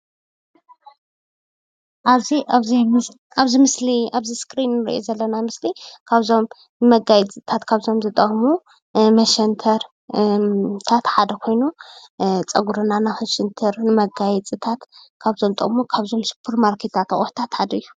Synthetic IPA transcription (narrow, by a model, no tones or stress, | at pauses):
ʔaziazi | ʔaβzimɨsliaβziskʰʼɾinːɨɾḭʔo̰zɐlːɐnamɨslikʰaβzo̞m | nɨmɐɡajɛt͡sʼɨt̪ʰat̪kʰaβzo̞mzɨt̪ʼɐxmu | mɐʃɐnt̪ʰɐɾ | t̪ʰat̪ħad̪ɐkʰo̞jnu | t͡sʼɐɡuɾɨnanaxɐʃɛnt̪ʰɐɾnɨmɐɡajɛt͡sʼɨt̪ʰat̪kʰaβzo̞mt̪ʼɐ̰χʼmukʰaβzo̞msɨ̥pʰɨɾmaɾkʰet̪ʰːat̪ɐχʼoħt̪ʰat̪ħad̪ɐɨjːu